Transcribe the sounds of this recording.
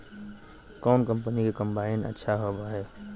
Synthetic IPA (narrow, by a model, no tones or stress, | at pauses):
kɔːnkə̃mpənikekɐ̃mbaːɪnɐ̰tːʃʰaɦobaɦɛː